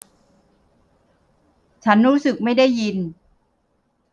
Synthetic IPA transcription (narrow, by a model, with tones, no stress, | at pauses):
t͡ɕʰa˦˥nɾuː˦˥sɯ˨˩k̚ma˥˩jda˥˩jːi˧n